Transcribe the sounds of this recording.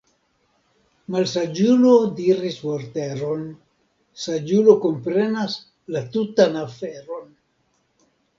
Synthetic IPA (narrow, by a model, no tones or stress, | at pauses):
malsad͡ʒulodiɾismoɾte̞ɾo̞n | sad͡ʒulo̞ko̞mpɾe̞nas | latutanafe̞ɾo̞n